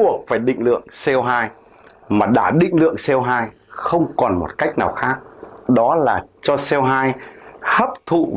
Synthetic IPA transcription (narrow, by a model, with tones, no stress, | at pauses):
u˨˩ək̚faː˧˩jɗḭ˧˨ŋ̟lɨ̰˧˨əŋsɛ˧wɦaː˧j | maː˨˩ɗa̰ː˧˩ɗḭ̈˧˨ŋ̟lɨ̰˧˨əŋsɛ˧wɦaː˧j | xə˧wŋ͡mkɔ˨˩nmo˨˩t̚ka˦˥jk̚naː˨˩wxaː˦˥k̚ɗɔ˨˦laː˨˩t͡ɕɔ˧sɛ˧wɦaː˧jhəː˦˥p̚t̪ʰṵ˧˨